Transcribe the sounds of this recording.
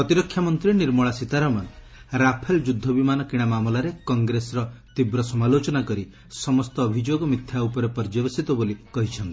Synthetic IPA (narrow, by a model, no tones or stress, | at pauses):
ɔt̪iɾɔkʰːjamɔnt̪ɾiniɾmɔɭasit̪aɾɔman | ɾapʰeld͡ʒud̪ʱːɔbimanɔkiɽ̃amamɔlaɾekɔŋɡɾesɔɾɔt̪ibɾɔsɔmalot͡ʃɔnakɔɾi | sɔmɔst̪ɔːbʱid͡ʒoɡɔmit̪ʰːjaupɔɾepɔɾd͡ʒɔbesit̪ɔbolikɔɦit͡ʃʰɔnt̪i